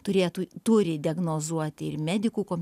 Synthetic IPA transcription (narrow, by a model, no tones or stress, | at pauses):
t̪ʊɾʲeːjt̪uːt̪ʊɾʲɪd̪ʲɪɛɡnoːzuɔt̪ʲɪɪrmʲæːd̪ʲɪkuːkoːmʲ